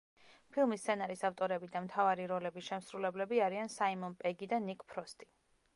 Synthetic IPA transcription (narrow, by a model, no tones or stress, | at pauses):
pʰilˠmist̪sʰɛnaɾisaft̪ʼɔɾɛbid̪amt̪ʰavaɾiɾɔlɛbiʃɛmsɾulɛblɛbiaɾiansaimɔnpʼɛɡid̪anikʼpʰɾɔst̪ʼi̥